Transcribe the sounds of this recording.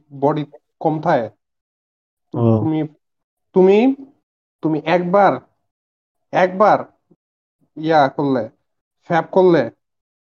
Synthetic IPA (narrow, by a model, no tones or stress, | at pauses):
bɔɽit̪e | kɔmt̪ʰae | t̪ut̪umi | t̪umi | t̪umiʔɛk̚baɾ | ɛk̚baɾ | jakolːe | fɛp̚kolːe